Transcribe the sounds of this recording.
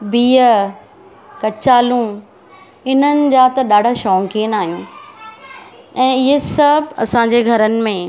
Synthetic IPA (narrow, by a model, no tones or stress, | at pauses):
biː | kɐt͡ɕaːlũ | ɪnənɪ̆d͡ʑaːt̪ɐɗaːɖʱaʃɔ̃ːŋkiːnaːɦijũ | ɛ̃ːɪɦesɐbʱɐ̰sãːɲd͡ʑeɡʱɐɾənɪ̆mẽ